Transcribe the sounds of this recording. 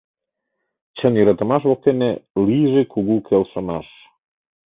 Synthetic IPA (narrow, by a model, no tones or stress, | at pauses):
t͡ɕəniɾə̆t̪ə̆mɑʃ̬βok̪̚eneliʒekuɡukʰelʃə̆mɑ̰ʃ